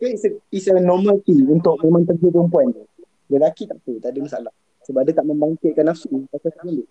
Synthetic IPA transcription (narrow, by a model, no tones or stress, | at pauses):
aisisənɔmãlt̪iŋunt̪ʊʔ̚mẽmãŋt̪əɡup̬ɾəmpuan | dəlakit̪aʔpət̪adumasaʔalah | səbaʔadat̪aʔmə̃mbaŋkɪt̪̚kanːafsukasasəandu